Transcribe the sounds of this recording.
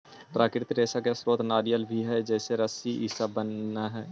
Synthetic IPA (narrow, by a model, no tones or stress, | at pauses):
pɾaːkɾɪt̪ɾeːsakesɾoːt̪naːɾijəlbʱiɦɛd͡ʒɛːseɾəsiʔisabənːaɦɛː